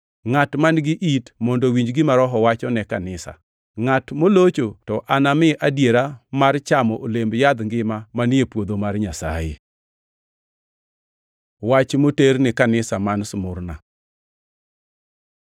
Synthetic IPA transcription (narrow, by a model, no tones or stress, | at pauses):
ŋatmanɡɪʔitmɔndowiɲd͡ʒɡɪmaɾɔɦɔwat͡ʃɔnɛkanɪsa̰ | ŋatmolot͡ʃotɔʔanamɪʔadjeɾamart͡ʃamɔʔolembjad̪ŋɡɪmamanepwod̪omarɲasa̰jḛ | wat͡ʃmoternɪkanɪsamansmʊrna̰